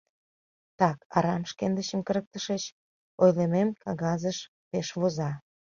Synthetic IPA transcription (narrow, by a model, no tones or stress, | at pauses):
t̪ɑkɑɾɑmʃkend̪əɕə̆mkəɾək̚t̪əʃet͡ɕ | ojlememkɑɣɑzəʃ | peʃβozɑ